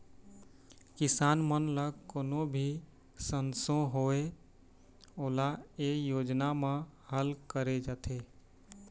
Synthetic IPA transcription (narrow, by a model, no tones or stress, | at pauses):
kɪsaːnmənləɡkoːnobʱi | sənsõɦoe | oːlaejoːd͡ʒnamẽhəlkəɾed͡ʒaːt̪ʰe